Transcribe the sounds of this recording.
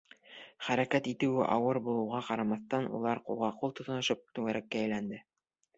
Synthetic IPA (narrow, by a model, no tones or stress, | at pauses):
χæɾækæt̪it̪ɘ̆wɘ̰ʔɑ̰wɤɾbulˠɤ̆wʁɑqɑɾɑmɑθt̪ɑnṵlˠɑɾqṵlˠʁɑqulˠt̪ŏt̪ɤ̆nɤ̆ʃɤp̚t̪ʉŋæɾʔækːæːjlænd̪ɘ